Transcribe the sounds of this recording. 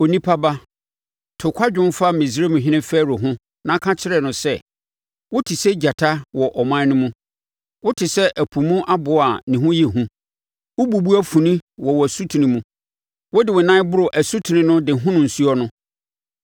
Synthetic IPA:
o˨nĩ˦pʰa˦ba˦ | tʰʊ˨kʷʰa˦d͡ʑᶣʊ̃˦m˦fa˦mĩ˨sɾe˦mũ˨ɦɪ̃˦nɪ̃˦fɛː˦˨ɾʊ˨ɦʊ̃˦ | nã˦kʰã˦t͡ɕʰɪ˦ɾɛ˨nʊ̃˨sɛ˦ | wʊ˦tʰɪ˨sɛ˦d͡ʑa˨tʰa˦wɔ˨ʔɔ˨mã˦nʊ̃˦mũ˦ | wʊ˦tʰɪ˨sɛ˦ʔæ˨pʰu˨mũ˦ʔa˦bʊ˨a˨nĩ˨ɦʊ̃˦jɛ˨ɦũ˦ | wʊ˦bu˨bu˦æ˦fũ˨nĩ˦wɔ˨wɔ˨æ˨su˦tʰu˨nɪ̃˨mũ˦ | wʊ˦dɪ˨wʊ˨nã˦bʊ˦ɾʊ˨ʔæ˨su˦tʰi˨nɪ̃˦nʊ̃˦dɪ˨ɦʊ̃˦nʊ̃˨n̩˨su˦ɔ˦nʊ̃˦

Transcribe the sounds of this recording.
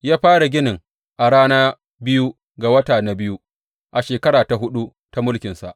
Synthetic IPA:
jaː˦ɸaː˦ɽa˨ɡʲɪ˦nɪ˨ŋ | ʔa˨ɽaː˦naː˦ | bɪ˦ju˦ | ɡa˨wɐ˦taː˨na˨bɪ˦ju˦ | ʔa˨ʃeː˨kɐ˦ɽaː˨ta˨ɦʊ˦ɗu˦ | ta˦mʊ˦lkʲɪ˨nsa̰˨ʔ

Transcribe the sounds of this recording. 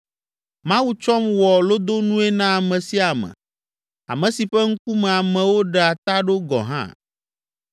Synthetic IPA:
mã˦wu˦t͡ʃɔ˦mwɔ˨lo˦d̪o˦nũ˦ɛ˦nã˦a˨mɛ̃˨si˦a˨mɛ̰̃˨ | a̰˨mɛ̃˨si˨ɸɛ˦ŋ̩˦ku˦mɛ˨a˨mɛ̃˨wo˦ɖɛ˨a˨t̪a˦ɖo˦ɡɔ̰˨ɦã̰˦

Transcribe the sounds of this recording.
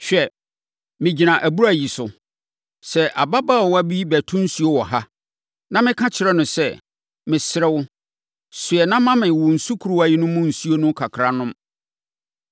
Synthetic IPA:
ɕᶣɛ˨ | mɪ̃˨d͡ʑi˨nã˨ʔæ˨bu˦ɾæ˨ji˨sʊ˨ | sɛ˨ʔa˨ba˦ba˦˨ɔ˨wa˦bi˦bæ˨tʰũ˦n̩˦su˦o˦wɔ˨ɦa˦ | nã˦mɪ̃˦kʰã˦t͡ɕʰɪ˨ɾɛ˦nʊ̃˨sɛ̰˦˨ | mɪ̃˨sɪ˦ɾɛ˦wʊ˦ | sʊ˨ɛ˨nã˦mã˦mɪ̃˨wʊ˨n̩˨su˦kʰu˨ɾu˦a˨ji˦nʊ̃˦mʊ̃˦n̩˨su˦o˦nʊ̃˦kʰa˨kʰɾa˨nʊ̃˦m

